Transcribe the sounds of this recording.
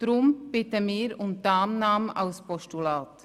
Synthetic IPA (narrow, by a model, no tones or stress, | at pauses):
d̥ɾʊmb̥ɪtəmɪːɾʊmtaːmnaːmʔaʊspʰɔstulaːt